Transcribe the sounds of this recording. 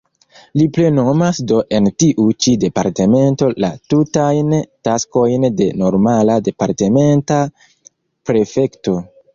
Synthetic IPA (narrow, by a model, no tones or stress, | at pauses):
liple̞no̞masdo̞ʔe̞ntiʔut͡ʃide̞paɾte̞me̞nto̞la̰tutajntasko̞jnde̞no̞ɾmalade̞paɾte̞me̞nta | pɾe̞fe̞kto̞